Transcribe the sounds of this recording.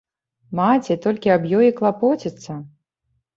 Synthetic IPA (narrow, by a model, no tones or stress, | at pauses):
mat͡sʲɛt̪ɔlʲkʲiabjɔjiklˠapɔt͡sʲit̪sːɐ